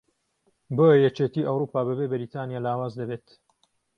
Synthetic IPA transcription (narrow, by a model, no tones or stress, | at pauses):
boːjɐjɛt͡ʃeːt̪iːʔɐwɾuːpaːbɐbebɐɾit̪ʰaːnjaːlaːwaːzd̪ɐbeːt̪